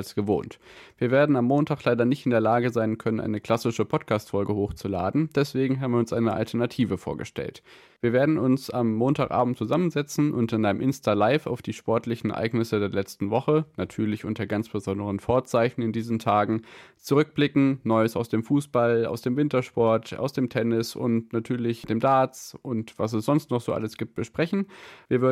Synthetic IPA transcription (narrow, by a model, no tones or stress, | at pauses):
lsɡ̥əvo̰ːntviːɐveːɐdn̩amːoːntʰaːklaɪdɐnɪçtɪndeːɐlaːɡəzaɪnkʰœnənʔa̰ɪnəkʰl̥asɪʃəpʰɔtkʰaːstfɔlɡəhoːxt͡sula̰ːdn̩d̥ɛsv̥eːɡŋ̩ɦaːbm̩viːɐʊnsʔaɪnəʔa̰ltʰɛɐnatʰiːvəfo̰ːɐɡə̰ʃtɛ̰lt | viːɐveːɐdn̩ʊnsamːoːntaːkʔa̰ːbm̩tt͡suzamənzɛt͡sn̩ʔʊntɪnʔaɪnəmʔɪnstʰaːlaɪfa̰ʊfd̥iːʃpɔɐtʰlɪçn̩ɛ̰ɐʔa̰ɪɡnɪsədeːɐlɛt͡stn̩vɔχənatʰyːɐlɪçʔʊntɐɡant͡sb̥əzɔndəʁ̞ənfoːɐt͡saɪçn̩ɪndiːzn̩tʰaːɡŋ̩t͡suʁ̞ʏk̚b̥lɪkŋ̩nɔʏəsaʊsd̥eːmfuːsb̥ala̰ʊsd̥eːmvɪntɐʃpɔɐtʰa̰ʊsd̥eːmtʰɛnɪsʊ̰ntnatʰyːɐlɪçd̥eːmdaːt͡sʔʊntv̥as̬ɛsz̥ɔnstnɔχz̥oːʔa̰ləsɡ̥iːp̚t̚b̥əʃpʁ̥ɛçn̩viːɐvɪ